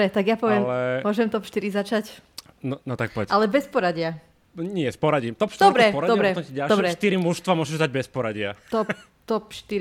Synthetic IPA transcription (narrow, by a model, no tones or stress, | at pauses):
ɾɛt̪aɡjapɔʋɪɛmlɛʊɔʒɛmt̪ɔpʃt̪iɾizat͡ʃac | nɔnɔt̪ak̚pɔʋɛalɛbɛspɔɾaɟɪa | ɲɪɛspɔɾaɟimt̪ɔpʃt̪d̪ɔɾbɾɛpɔdɾad̪ɔbɾɛɔɛɟalʃbɾɛʃt̪iɾimuʃst̪ʋamʊɔʒɛʒd̪aɟ̚bɛspɔɾaɟɪat̪ɔp | t̪ɔpʃt̪iɾ